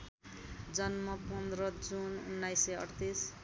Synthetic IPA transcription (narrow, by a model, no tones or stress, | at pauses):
d͡zʌnmʌpʌnd̪rʌd͡zunṵnːajseʌ̰ɽt̪is